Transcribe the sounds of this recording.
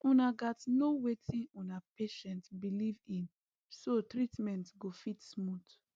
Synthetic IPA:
ũnaɡatnowetĩnũnapeʃɛ̃ntbilivĩn | sotɹitmɛ̃ntɡofitsmut

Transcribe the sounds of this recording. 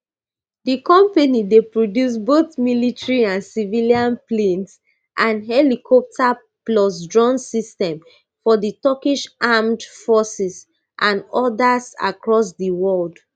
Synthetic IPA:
dikɔ̃mpanidepɹodjus̬boθmilitɹiãnsiviliãnplẽns | ʔãnɦɛlikʰɔp̚tʰa | plɔs̬dɹɔ̃nsistɛ̃m | fɔðitɔkiʃʔamdfɔsis | ʔãnɔdasa̰kɹɔs̬diwɔld

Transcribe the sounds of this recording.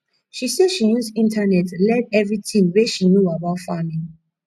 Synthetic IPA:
ʃisɛdʃijusĩntʰanɛtlɛdɛvɹitĩŋweʃinjuabaʊtfamĩŋ

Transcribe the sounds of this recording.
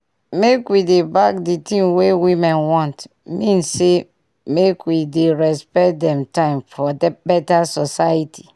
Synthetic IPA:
mekwidebak̚ditĩmwewimɛ̃nwɔ̃nt | mĩnsːe | mekwideɹɛspɛt̚dɛ̃mtãɪ̃mfɔdbɛtasɔsajitʰi̥

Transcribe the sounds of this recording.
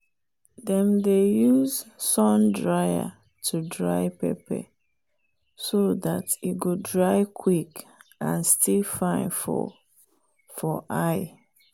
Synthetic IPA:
dɛ̃mdejuzsɔ̃ndɹaɪa̰ | tʰudɹaɪpɛ̰pɛ̰ | soðatitɡodɹaɪkʰwikã̰nstʰilfãɪ̃nfɔ̰ | fɔʔaɪ

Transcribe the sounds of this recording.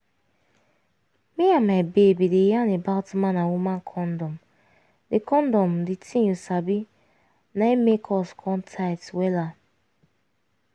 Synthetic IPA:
miamabebidejanebaltmanawumãnkʰɔndɔm | dekɔndɔmditʰiɲusabi | naemekʰɔskʰɔntʰaɪtwela

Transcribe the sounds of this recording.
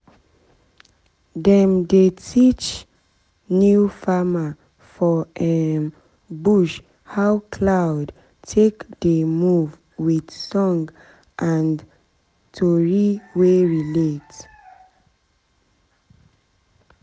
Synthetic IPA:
dɛ̃mdetʰit͡ʃ | njufama | fɔɛ | buʃ | hawkʰlawd | tʰekdemuv | wid̥sɔ̃ŋɡ | ʔãn | tʰɔɹiweɹilet

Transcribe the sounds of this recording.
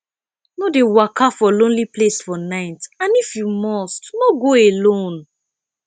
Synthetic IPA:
nɔdewakafɔlõnliplesfɔnãɪtãnifjumɔstnɔɡoelõn

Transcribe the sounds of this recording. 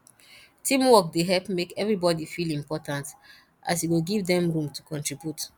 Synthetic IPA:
tʰĩmwɔkdeɦɛlpmekɛvɹibɔdifilĩmpɔtãnt | ʔa̰s̬jiɡoɡivdɛ̃mɹũmtu̥kɔ̃ntɹibjut

